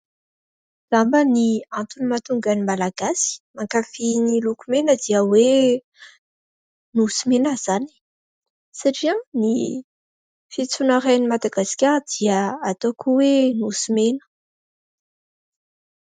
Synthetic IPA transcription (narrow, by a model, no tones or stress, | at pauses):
z̥ambəniãnt̪unimat̪uŋɡanimalaɡ̥asi̥maŋkafinilukumenəd̪iəwe | nusimenəz̥ani̥ | saʈ͡ʂiãni | fit͡sunaɾanimad̪aɡaskʲaɾd̪̥iəat̪okʰuwenusimenə̥